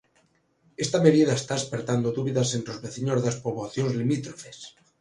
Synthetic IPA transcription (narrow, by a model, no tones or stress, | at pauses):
est̪ameðiðaest̪aespeɾt̪and̪oðuβ̞iðasent̪ɾozβeθiɲozðaspoβoθjonzlimit̪ɾofes